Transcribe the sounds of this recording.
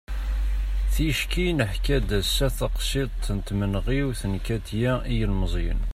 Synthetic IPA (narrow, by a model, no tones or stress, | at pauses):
θiʃkinəħkæd̪æsːæθəqʃit̪ˤnt̪mənʁiwθənkæt̪jæʔijəlməz̰ˤn